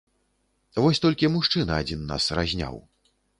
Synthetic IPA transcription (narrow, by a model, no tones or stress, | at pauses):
vɔsʲt̪ɔlʲkʲimuʂt͡ʂɨnɐad͡zʲinːa̰srazʲnʲa̰w